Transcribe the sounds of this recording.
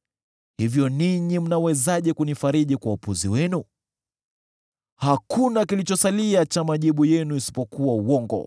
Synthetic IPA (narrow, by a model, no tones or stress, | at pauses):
hivjɔniɲim̩nawɛzaʄɛkunifaɾiɗikwaupuziwɛnu | hakʰunakilit͡ʃɔsaliat͡ʃamaʄiɓujɛnuisi̥pɔkuwauwɔŋɡɔ̰